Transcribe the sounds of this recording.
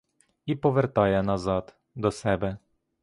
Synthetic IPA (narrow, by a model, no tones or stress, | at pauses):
ipɔʋɛrt̪ɑjɛnazɑd̪ | d̪ɔsɛbɛ